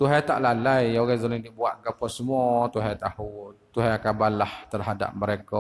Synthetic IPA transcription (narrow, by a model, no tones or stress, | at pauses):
t̪uɦajt̪a̰ʔlalajoɣɛzunidibuat̪̚ɡapɔsəmuɔt̪uɦajt̪ahut̪uɦajakabalaht̪ərɦada̰p̚məɾekɔ